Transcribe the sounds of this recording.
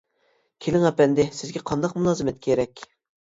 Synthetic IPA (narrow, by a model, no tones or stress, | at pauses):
kʲʰelɪŋæpɛnd̪ɪsɪzɡʲɛqʰɑnd̪ɑqmulˠɑːzɨmɛt̪̚kʲʰeɾɛkʲ